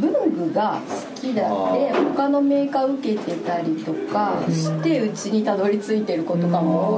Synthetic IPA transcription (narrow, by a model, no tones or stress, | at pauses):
bɯ̟̃ŋɡɯ̟ɡasɨ̥kʲid̪ad̪e̞ho̞kano̞me̞ːkaɯ̟ke̞t̪e̞t̪aɾʲit̪o̞kaɕi̥t̪e̞ɯ̟t͡ɕiɲ̟it̪ad̪o̞ɾʲit͡sɨit̪e̞ɾɯ̟ko̞t̪o̞kamo